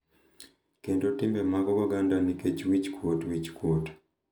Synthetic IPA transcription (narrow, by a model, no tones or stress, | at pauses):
keːntotːiːmbemakokoɡandanikeciwici̥kotwici̥kwoto̥